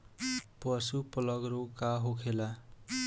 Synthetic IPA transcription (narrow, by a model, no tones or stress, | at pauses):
pʌsupʌlʌɡɾokaɦokʰela